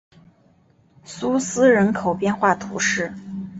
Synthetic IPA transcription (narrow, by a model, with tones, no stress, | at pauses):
su˥sɹ̩˥ɻə˧˥nkʰo˨˩ʊpjɛ˥˧nxwa˥˩t̪ʰṵ˧˥ʂɻ̩˥˩